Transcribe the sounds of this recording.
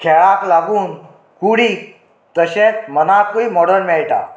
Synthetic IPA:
kʰɛɭaklaɡuːn | kuɽi | t̪əɕẽt͡smənakuimɔɽəɾnmɛɭʈa̰

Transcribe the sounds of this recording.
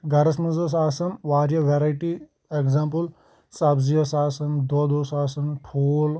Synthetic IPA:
ɡɐɾɐsmɐzɐs̬aːsɐnʋaːɾjɐʋeɾaːiʈi | ekzaːmpəl | sɐbzijɐsaːsɐnd̪oːd̪oːsaːsɐnpʰoːl

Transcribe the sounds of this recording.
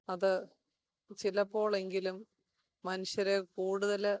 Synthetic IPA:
ɐðɨ | t͡ɕilɐpːo̞ːɭe̞ŋɡilumː | ɐnuɕjɐɾekuːɽuðɐl

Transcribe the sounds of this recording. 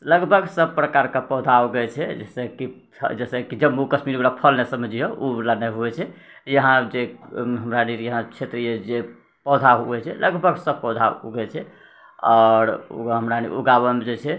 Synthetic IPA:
ləɡbʱəɡsəb̚pɾəkaɾkepɔd̪ʱaoɡɛt͡ʃʰɛd͡ʒesɛkḭ | d͡ʒesɛkid͡ʒəbukəsmiɾbɾapʰəlnesəbd͡ʒioulanɛɦuɛt͡ʃʰɛ | jəɦãd͡ʒeɦəmɾaniɾjəɦãt͡ʃʰet̪ɾijed͡ʒe | pɔd̪ʱaɦuɛt͡ʃʰɛlʔəɡbʱəɡsəb̚pɔd̪ʱaɡɛt͡ʃʰɛ | ɔːɾ̰ɦəmɾanḭuɡabəmed͡ʒet͡ʃʰɛ

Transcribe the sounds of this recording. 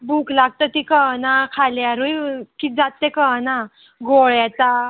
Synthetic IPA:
bukʰlaɡ̚t̪ət̪ikənakʰaljaɾujkid͡zat̪ːekəna | ɡoɭjɛt͡s̪a

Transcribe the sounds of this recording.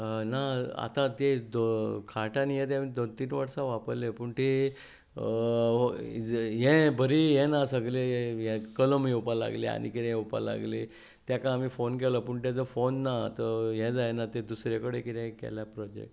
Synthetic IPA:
naa̰t̪ãt̪ed̪okʰaʈanjet̪̬ẽamiːd̪ont̪iːnʋaɽsãʋapəɾlepuɳʈ̪e | ɦɛ̃bʱəɾiɦɛ̃nasəɡlejɛ̃kələmeupala̰ɡlḛa̰nḭkiɾɛ̃upa̰la̰ɡle | t̪jakãːmiːfonkɛləpuɳt̪jad͡zəfonːat̪əɦɛ̃d͡zajnat̪ed̪usɾekəɽekiɾɛ̃kɛ̰ljapɾɔd͡ʑḛk̚ʈ

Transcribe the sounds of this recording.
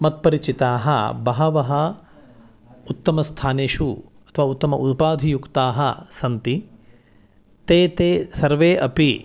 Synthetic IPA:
mɐt̪̚pɐɾit͡ʃit̪aːɦɐ̰bɐɦɐʋɐɦɐ | ut̪ːɐmɐst̪ʰaːneːʃu | ɐ̥t̪ʰɐʋaːut̪ːɐmɐ̰ʔut̪̚paːd̪ʱijukt̪aːɦɐsɐnt̪i | t̪eːt̪eːsɐɾʋeːʔɐpi

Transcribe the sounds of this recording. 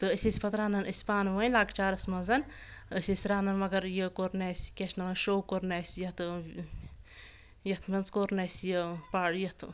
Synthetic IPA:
t̪ɨəsʲesʲpɐt̪ɾaːnɐnəsʲpaːnʋənʲlaːɡt͡ʃaːɾɐsʲmɐnzɐn | əsʲesʲɾaːnɐnmɐɡɐɾjəkoɾneːsʲkʲeʃʰnɐʋɐʃowkoɾnɛsʲjɐt̪ɨ | jɐt̪ʰmɐnzkoɾnesʲjəpajɐt̪ʰ

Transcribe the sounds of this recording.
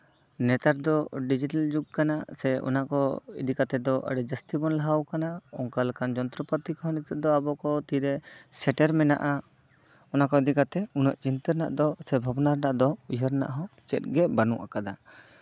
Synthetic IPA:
nɛt̪aɾd̪ɔɖid͡ʒiʈald͡ʒuɡ̚kanasɛɔ̰nakɔḭd̪ikat̪ɛd̪ɔʔə̰ɖɛd͡ʒəst̪ibɔnlaɦawkanaɔŋkalkand͡ʒɔnt̪ɾɔpɔt̪ikɔɦɔ̃nɛt̪ɛd̪ɔabɔkɔt̪iɾɛsɛʈɛɾmɛna̰ʔa | ɔnakɔid̪ikat̪ɛunəʔt͡ʃint̪əɾna̰ʔd̪ɔsɛbʱabɔnaɾnaʔd̪ɔiɦəɾna̰ʔɦɔ̃t͡ʃɛt̪̚ɡɛʔbanṵʔa̰kad̪a

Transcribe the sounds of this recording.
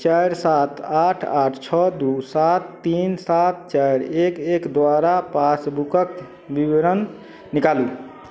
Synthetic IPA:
t͡ʃajɾsat̪ʰaʈʰaʈʰt͡ʃʰɔd̪usat̪ːinsat̪̚t͡ʃajɾekekd̪ʋaɾapasbukək | bibeɾən | nikalu

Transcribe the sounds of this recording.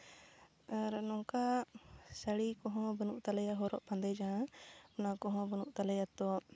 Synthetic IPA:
aɾnɔ̃ŋka | səɽikɔɦɔ̃bənuʔt̪alɛjaɦɔɾɔʔbãnd̪ɛjd͡ʒaɦãɔnakɔɦɔ̃bənuʔt̪alɛjat̪ɔ

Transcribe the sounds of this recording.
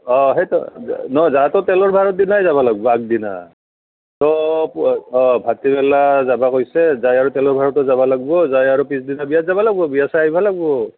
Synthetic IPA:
ɔɦetɔ̰nɔzatɔtɛlɔɹbʱaɹɔt̚dinajzaβalaɡ̚bɔak̚dina̰ | tɔpɔbʱatibɛlazabakojsɛzajaɹutɛlɔɹbʱaɹɔtɔzabalaɡ̚bɔzajaɹupisdinabijatzabalaɡ̚bɔbijasaaɦibʱalaɡ̚bɔ

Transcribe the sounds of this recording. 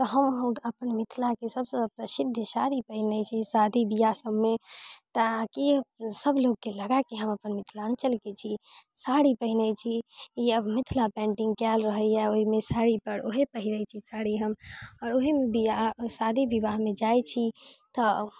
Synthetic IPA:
t̪ɔɦəməpənmit̪ʰlakesəbsə̃əpnasid̪ʱːəsaɾipəɦinɛt͡ʃʰisad̪ʱibijasəbmet̪akisəbloɡ̚keləɡakeɦəməpənmit̪ʰlaənt͡ʃəlket͡ʃʰisaɽipəɦinɛt͡ʃʰiiəbmit̪ʰlapɛ̃ɳʈĩŋɡkɛlɾəɦəɛoɦimesaɽipəɾoɦepəɦinət͡ʃʰisaɽiɦəmɔːɾoɦemebijasad̪ʱibiβaɦmed͡ʒajt͡ʃʰit̪ɔ

